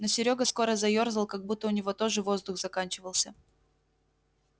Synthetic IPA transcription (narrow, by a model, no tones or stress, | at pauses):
nosʲɪɾʲoɡəsko̞ɾəzɐjo̞rzəlˠkɐɡ̚but̪ːəʊnʲɪvo̞t̪o̞ʐɨvo̞zd̪ʊxz̥ɐkanʲt͡ɕɪvəlˠsʲə